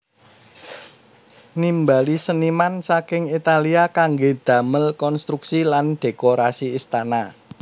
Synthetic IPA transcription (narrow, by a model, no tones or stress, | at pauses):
nimbalisənimansakɪŋit̪aliakaŋɡed̪̥ä̤məlkɔnst̪ɾuksilanɖ̥e̤koɾasiːst̪ana